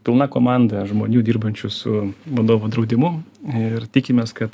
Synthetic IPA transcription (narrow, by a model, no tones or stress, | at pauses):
pʲɪlˠnɑːkoːmɑnd̪ɐʒmoːnʲuːd̪ʲiːɾbɐnʲt͡ʃʲʊsʊʋɐd̪oːʋoːd̪ɾɐʊd̪ʲɪmʊɪɾt̪ʲikʲɪmʲeːskɐt̪